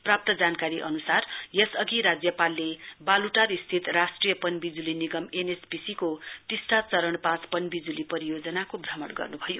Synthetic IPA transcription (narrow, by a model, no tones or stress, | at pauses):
prap̚t̪ʌd͡zankaɾiʔʌnusarjesʌɡiɾad͡zjʌpalːebaluʈarist̪ʰit̪rasʈrijʌpʌnbid͡zuliniɡʌmenesbisikot̪isʈat͡sʌɾʌɳpãt͡spʌnbid͡zulipʌɾijod͡zʌnakobʱrʌmʌ̰ɽɡʌ̰rnubʱʌjo